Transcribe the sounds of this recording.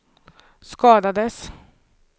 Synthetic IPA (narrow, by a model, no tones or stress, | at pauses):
skɑːd̪ɑd̪əs